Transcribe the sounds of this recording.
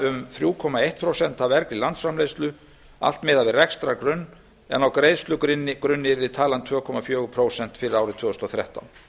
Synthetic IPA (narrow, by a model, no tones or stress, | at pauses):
ʏmθɾjuːkʰɔmaejht̪̚pʰɾowsɛn̥t̪avɛɾklɪlant̪sfɾamlejst̪lʏ | a̰l̥t̪mɪːðavɪrɛkst̪ɾakɾʏnː | ɛ̰nawkɾejst̪lʏkɪnkɾʏnːɪɾɪt̪ʰaːlant̪ʰvœːkʰɔmafjœːɣʏpʰɾoːwsɛn̥t̪fɪɾɪɾaːwɾɪt̪ʰʏːðʏst̪ɔθɾjɛ̰ht̪a̰wn